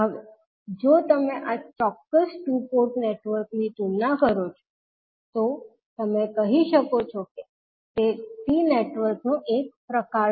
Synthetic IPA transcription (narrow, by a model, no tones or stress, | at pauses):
ɦəʋe | d͡ʒot̪əmẽʔat͡ʃɔkːəsʈupoɾʈneʈʋəɾknit̪umnakəɾot͡ʃʰo̥ | t̪o | t̪əmẽkəɦiʃəkot͡ʃʰɔke | t̪et̪ineʈʋəɾknũʔek̚pɾəka